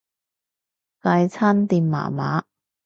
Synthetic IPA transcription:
kɐ˧jt͡sʰaː˥nt̪iː˨˧mma̰ː˨˩ma̰ː˨˥˦

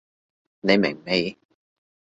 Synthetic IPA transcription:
ne˨˧jmɪ̰˨˩ŋme˨˧j

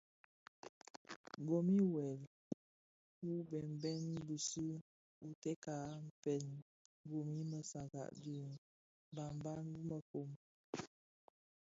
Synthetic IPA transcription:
ɡo˨mi˦wɛ˨l | u˦bɛ˨m˨bɛ˦nbu˨su˦ | u˨tɛ˦ka˨˦m̩˨fɛ˨n˦ | ɡo˨mi˦mə˨sa˨ɡa̰˨ʔdi˦˨ŋ | ba˨mba˦nwu˦mə˨ko˨m

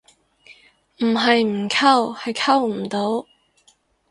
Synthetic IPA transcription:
m̩˨˩ɦɐ˨jm̩˨˩kʰɐ˧whɐ˨jkʰɐ˥wm̩˨˩t̪o˨˥w

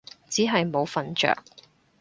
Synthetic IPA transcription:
t͡siː˨˥ɦɐ˨jmo˨˧wfɐ˨nt͡ʃœ̰ː˨k̚

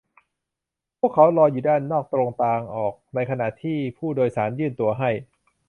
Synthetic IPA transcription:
pʰu˥˩əkʰːa˩˦˥wɾɔː˧juː˨˩daː˥˩nːɔː˥˩k̚t̪ɾo˧ŋt̪aː˧ŋʔɔː˨˩k̚na˧jkʰa˧na˨˩ʔt̪ʰiː˥˩pʰuː˥˩doː˧jsaː˩˦njɯː˥˩nt̪u˧ɐɦa˥˩j

